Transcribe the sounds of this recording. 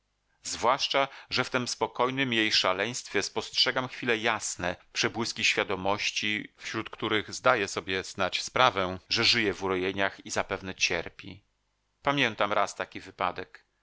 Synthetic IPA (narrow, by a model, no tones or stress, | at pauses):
zvwaʂt͡ʂaʐɛft̪ɛmspɔkɔjnɘmjejʂalɛj̃st̪fʲjɛspɔstʂɛɡamxfʲilɛjasnɛpʂɛbwɘskʲiɕfʲjad̪ɔmɔɕt͡ɕifɕɾut̪kt̪uɾɘɣzd̪ajɛsɔbʲjɛznat͡ɕspɾavɛʐɛʐɘjɛvuɾɔjeɲaxizapɛvnɛt͡ɕɛ̰ɾpʲḭ | pamʲjɛnt̪amɾast̪akʲivɘpad̪ɛk